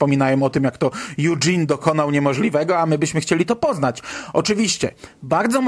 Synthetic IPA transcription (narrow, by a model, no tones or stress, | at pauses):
pɔmʲinajɛmɔt̪ɘmjakt̪ɔjud͡ʐind̪ɔkɔnawɲɛmɔʐlʲivɛɡɔamɘbɘɕmɘxt͡ɕelʲit̪ɔpɔznat͡ɕɔt͡ʂɘvʲiɕt͡ɕɛ̰baɾd̪zɔm